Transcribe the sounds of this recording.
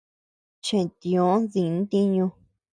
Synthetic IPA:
t͡ʃẽ˨t̪ĩ˧˨õ˨˦ðĩ˨˧n˦t̪i˦ɲũ˧

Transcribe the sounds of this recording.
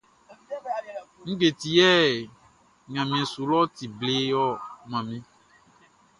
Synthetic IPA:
ŋ̩˦ɡ͡be˨t̪i˨jɛ˦˨ | ɲã˨mĩ˨ɛ̃˨su˨lɔ˦t̪i˨ble˦jɔ˦mã˨mĩ˦

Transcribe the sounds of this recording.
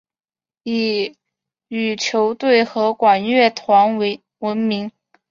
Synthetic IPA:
i˨˩ | y˨˩t͡ɕʰjo˧˥ʊt̪we˥˩ɪxɤ˧˥kwa˨˩nɥɛ˥˩t̪ʰwa˧˥nwɪ | wə˧˥nmi˧˥ŋ

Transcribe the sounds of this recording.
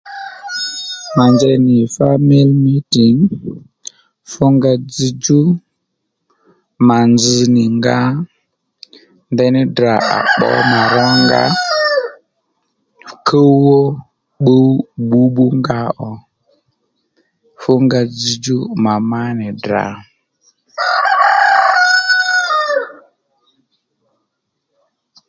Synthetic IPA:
ma˨nd͡ʒɛ˦nɪ˨fa˦mi˦lmi˦ti˨ŋ | fʊ˦ŋɡa˧d͡zi˦d͡ʒu˦ | ma˨nd͡zi˨nɪ˨ŋɡa˦ | ndɛ˦nɪ˦dɾa˨a̰˨ɓɔ̰˦ma˨ɾɔ˦ŋɡa̰˦ | kʰo˦wɔ˦ | ɓu˦bu˦bu˦ŋɡa˦ʔɔ˨ | fʊ˦ŋɡa˦d͡zi˦d͡ʒu˦ma˨ma˦nɪ˨dɾa̰˨

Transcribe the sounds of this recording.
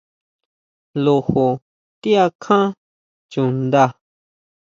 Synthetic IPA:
lu˧hu˨ | t̪i˦a˧kʰã˦ | t͡ʃu˨nd̪a˧

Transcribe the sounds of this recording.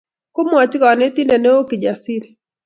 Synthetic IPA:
ko˦mo˦a˨t͡ʃi˦ka˨a˨nɛ˦t̪i˦ndɛ˨nɛ˦o˦ki˨d͡ʒa˨si˦ɾi˨

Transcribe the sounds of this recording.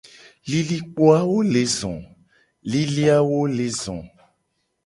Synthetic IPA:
li˨li˦k͡po˦a˦wo˦le˨zɔ̰̃˨ | li˦li˦a˦wo˦le˨zɔ̰̃˨

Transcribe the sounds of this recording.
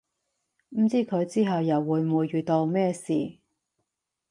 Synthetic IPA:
m̩˨˩t͡siː˥kʰɵ˨˧ɥt͡siː˥ɦɐ˨wjɐ˨˩wːuː˨˧jmuː˨˧jːyː˨˩t̪o˧wmɛː˥siː˨

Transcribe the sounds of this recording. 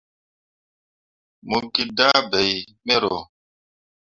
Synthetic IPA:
mu˨ki˦da˦bɛ˨j | mɛ˦ɾo˨

